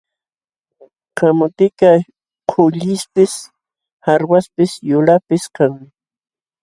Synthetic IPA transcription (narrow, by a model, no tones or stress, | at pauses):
qamʊt̪ɪka | qʰʊʎɪspɪs | haɾwaspɪsjʊlapɪskaŋmɪ